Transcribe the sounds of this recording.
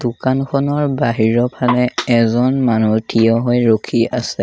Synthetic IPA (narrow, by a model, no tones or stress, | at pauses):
dukankʰɔnɔɹbaɦiɹɔpʰalɛɛzɔnmanutʰijɔɦɔjɹokʰiasɛ